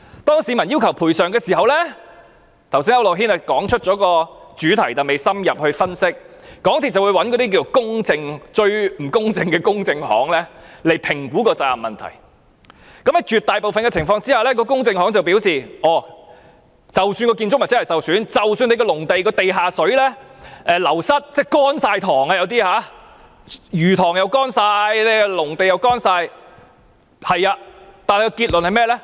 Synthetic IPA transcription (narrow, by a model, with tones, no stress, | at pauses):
t̪ɔː˥ŋsiː˨˧mɐ˨˩nji˥wkʰɐ˨˩wpʰuː˨˩jsœː˨ŋɡɛː˧siː˨˩ɦɐ˨˧wlɛː˥ | t̪ʰɐ˨˩wsiː˥nɐ˥wlo˨˩wɦiː˥nɛ˧˩kɔː˨˥ŋt͡ʃʰɵ˥t̚t͡ʃɔː˨˥kɔː˧t͡ʃyː˨˥t̪ʰɐ˨˩jt̪ɐ˨˩me˨jsɐ˥mjɐ˨p̚hɵ˧ɥfɐ˥nsɪ˥k̚kɔː˨˥ŋt̪ʰiː˨t̚t͡sɐ˨wuː˨˧jwɐ˨˥nkɔ˨˧t̪i˥k̬iː˧˨˩kʊ˥ŋt͡sɪ˧ŋt͡ʃɵ˧ɥm̩˨˩kʊ˥ŋt͡sɪ˧ŋkɛː˧kʊ˥ŋt͡sɪ˧ŋhɔ̰ː˨˥ŋlɛː˥le˨˩jpʰɪ˨˩ŋkuː˨˥kɔː˧t͡saː˨mːɐ˨nt̪ʰɐ̰˨˩j | kɐ˨˥mɛ˧˥t͡ʃyː˨t̪aː˨jpo˨wfɐ˨nkɛː˧t͡sʰɪ˨˩ŋfɔː˧ŋt͡siː˥aː˨lɛː˥k̬ɔː˧kʊ˥ŋt͡sɪ˧ŋhɔː˨˥ŋt͡sɐ˨wpiː˨˥wsiː˨ɔː˨˩ | t͡sɐ˨wsyː˧nkɔː˧kiː˧nt͡sʊ˥k̚mɐ˨˩t͡sɛ˥hɐ˨˩jsɐ˨wsyː˨˥nt͡sɐ˨wsyː˧ne˧kɔ˧lʊ˨˩ŋt̪e˨jkɔː˧t̪e˨jɦaː˨sɵ˨˥ɥlɛː˥ɛː˨lɐ˨˩wsɐ˥t̚t͡sɛː˥˩kɔː˥nsaː˧jt̪ʰɔː˨˩ŋɐː˧jɐ˨˧wt̪̬iː˥haː˨˥ | jyː˨˩t̪ʰɔː˨˩ŋjɐ˨˧wkɔː˥nsaː˧jlɛ˧lʊ˨˩ŋt̪e˨jɐ˨˧wkɔː˥nsaː˧j | hɐ˨jaː˧t̪aː˨nhjkɔː˧kiː˧t̚lɵ˨nhɐ˨jmɛː˥lɛː˥